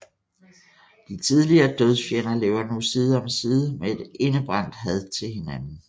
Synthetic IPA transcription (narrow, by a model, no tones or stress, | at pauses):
d̥it͡sʰið̞ˠliɐːd̥øð̞ˠfjenɐle̝ːʊɐnusiːð̞ˠəɒ̽msiːð̞ˠəmee̝d̥e̝nəb̥ʁɑ̈n̰d̥ɦæð̞ˠt͡sʰe̝lɦe̝nænn̩